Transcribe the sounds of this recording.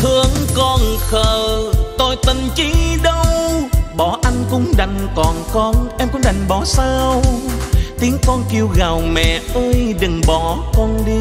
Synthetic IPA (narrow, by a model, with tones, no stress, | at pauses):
t̪ʰɨ˧əŋkɔ˧˩nxəː˨˩t̪o˧jt̪i˧˩ŋt͡ɕi˧˦ɗə˧wɓɔ˨˩ʔa˧jŋ̟kʊ̰˧˨˦ŋ͡mɗa˨˩jŋ̟kɔ˨˩nkɔ˧nʔɛ˧mkʊ˧˥˦ŋ͡mɗa˨˩jŋ̟ɓɔ˨˦saː˧w | t̪i˨˦əŋkɔ˧nki˧əwɣaː˨˩wmɛ̰˧˨ʔəː˧jɗɨ˨˩ŋɓɔ˨˩˦kɔ˧nɗi˧